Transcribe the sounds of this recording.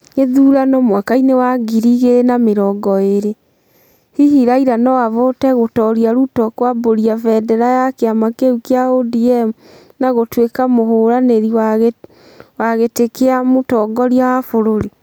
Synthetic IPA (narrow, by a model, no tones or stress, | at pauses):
eðuɾanɔmwakainewaɡiɾiɣenameɾɔɡɔeɾe | hiɦiɾaiɾanɔwavotɛɣotɔɾiaɾutɔkwaboɾiavɛdɛɾajakeamakeukeaodiɛmu | naɣotwekamoɦoɾaneɾiwaɣ | waɣetekeamotɔɡɔɾjawafoɾoɾe